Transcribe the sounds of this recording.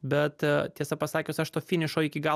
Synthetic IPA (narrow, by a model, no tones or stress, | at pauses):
bʲɛt̪t̪ʲiɛsɐpɐsɑːkʲoːsʲɐʃt̪oːfʲɪnʲɪʃoːɪkʲɪɡɑ